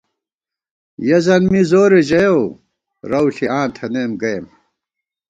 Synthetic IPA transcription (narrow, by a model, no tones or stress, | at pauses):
jɐzɐnmizoːɾeʑɐjow | ɾɐwɬiãːnt̪ʰɐnemɡɐjm